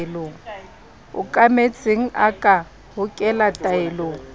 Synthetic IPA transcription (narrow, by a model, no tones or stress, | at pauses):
loːŋ̩ | ʊ̰kʼamet͡sʼɪŋ̩akʼa | hʊkʼɛlatʼaɪloːŋ̩